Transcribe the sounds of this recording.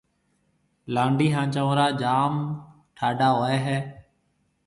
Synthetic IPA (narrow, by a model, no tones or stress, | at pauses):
laːɳɖiːɦãːt͡ʃəʋɾaːd͡ʒaːm | ʈʰaːɖaːɦoːeːɦɛː